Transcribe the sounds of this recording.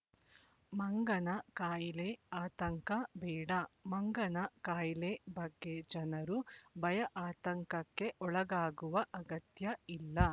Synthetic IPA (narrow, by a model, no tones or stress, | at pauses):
mɐŋɡɐnɐkaːjileaːt̪ɐŋkɐbɛːɽɐmɐŋɡɐnɐkaːjilebɐɡːed͡ʒɐnɐɾubɐjɐʔaːt̪ɐŋkɐkːe̞ʔɔɭɐɡaːɡuʋɐʔɐɡɐt̪jɐilːɐ